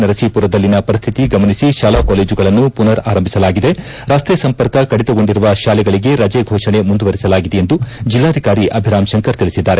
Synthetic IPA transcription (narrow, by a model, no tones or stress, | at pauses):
nɐɾɐsiːpuɾɐd̪ɐlːinɐpɐɾist̪ʰit̪iɡɐmɐnisiʃaːlaːkoːleːd͡ʒuɡɐɭɐnːupunɐɾaːɾɐmbʱisɐlaːɡid̪e̞ | ɾaːst̪ɾejɐsɐmpɐɾkɐkɐɽit̪ɐɡo̞ɳɖiɾuʋɐʃaːlɛɡɐɭiɡe̞ɾɐd͡ʒeɡʱɔːʂɐɳe̞mund̪uʋɐɾisɐlaːɡid̪eend̪ud͡ʒilːaːd̪ʱikaːɾiʔɐbʱiɾaːmʃɐŋkɐɾt̪iɭisid̪ːaːɾe